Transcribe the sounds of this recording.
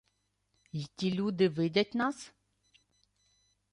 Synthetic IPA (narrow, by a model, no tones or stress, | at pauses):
jitʲilʲud̪ɨvɘd̪ʲɛtʲnas